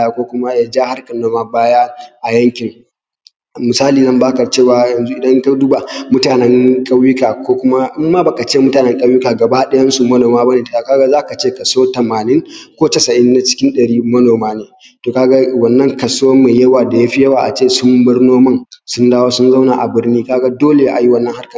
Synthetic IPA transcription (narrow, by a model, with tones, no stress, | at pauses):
a˦kʷoː˦kʷʊ˦ma˦jaː˦d͡ʒaː˦ha˦rkɐ˨nːoː˦maː˦baː˦ja˦ʔa˨jɐ˦ŋkʲɪ˨ŋ | mʊ˨saː˦liː˨nɐ˦mbaː˦kɐ˨t͡ʃeː˦˨wa˨˦jɐ˨nzu˦ʔɪ˨dɐ˦ŋka˦du˦ba˨mʊ˦taː˨nɛ˦ŋkʼɐ˦wjʊ˦kaː˨kʷoː˦kʷʊ˦ma˦ʔɪ˦mːaː˦baː˨ka˨t͡ʃeː˦˨mʊ˦taː˨nɛ˦ŋkʼɐ˦wjʊ˦kaː˨ɡɐ˨ba˦ɗɐ˦jɐ˦nsu˨mɐ˦noː˨maː˦ba˦neː˨da˨˦a˦˨kaː˦ɡa˦zaː˦˨ka˨t͡ʃeː˦˨kɐ˨soː˦tɐ˨maː˨nɪ˦ŋkʷoː˦tɐ˨sɐ˨ʔɪ˦nːa˨t͡ʃɪ̥˦kʲɪ˦nɗɐ˨ɽiː˦mɐ˦noː˨maː˦neː˨ | toː˨ka˦ɡa˦wɐ˨nːɐ˦ŋkɐ˨soː˦meː˨jɐ˦waː˨da˨ja˦ɸi˦jɐ˦wa˨ʔa̰˨t͡ʃeː˦˨sʊ˦mbɪ˦rnoː˦mɐ˦ŋsʊ˦ndaː˦woː˦sʊ˦nza˦wna˨ʔa˨bɪ˦rniː˦kaː˦ɡa˦doː˦le˨ʔa˨ji˦wɐ˦nːɐ˦ŋha˦rkɐ˨